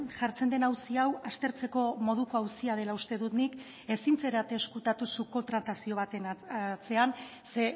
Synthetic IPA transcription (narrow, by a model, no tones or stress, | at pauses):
ʝaɾt͡se̞nd̪e̞nawsiawast̪e̞ɾt͡se̞ko̞mo̞ð̞uko̞awsiað̞e̞laust̪e̞ðut̪nik | e̞sint͡se̞ɾat̪eːskut̪at̪usuko̞t̪ɾat̪asio̞β̞at̪enat͡se̞an | se̞